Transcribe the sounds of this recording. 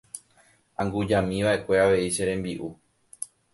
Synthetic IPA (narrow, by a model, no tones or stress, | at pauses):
ãŋɡud͡ʒãmĩʋaʔe̞kʷe̞aʋe̞iʃeɾẽ̞mbiʔu